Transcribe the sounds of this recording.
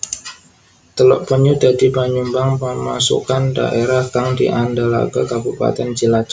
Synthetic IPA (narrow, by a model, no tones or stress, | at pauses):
t̪əlɔ̰ʔpəɲudadipaɲumbaŋpəma̰sṵkanda̰ʔeɾahɡaŋdḭʔandala̰ɡa̰kabupa̰t̪ɛnd͡ʒəlad͡ʒ